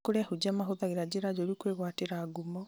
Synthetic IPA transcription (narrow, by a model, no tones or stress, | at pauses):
koɾeahud͡ʒamaɦoðaɣeɾad͡ʑeɾad͡ʒɔɾikweɣwateɾaːɡumɔ